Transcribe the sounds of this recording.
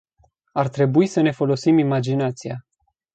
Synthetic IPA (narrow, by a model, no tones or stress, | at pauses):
art̪ɾe̞buisəne̞fo̞lo̞simimad͡ʒinat̪sia